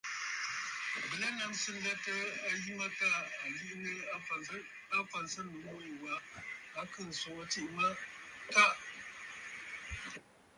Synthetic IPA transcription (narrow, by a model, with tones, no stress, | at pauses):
bə˨la˦na˨m˦sə˦n˦da˦ta˦a˨ji˦ma˦ta˦a˨li˦ʔnə˦˨˦ | a˦fa˨n˨sa˦nu˨wo˦ji˨wa˦ | a˨kə˦˨n˨so˨wa˦t͡ʃi˦ʔma˦ta˦ʔ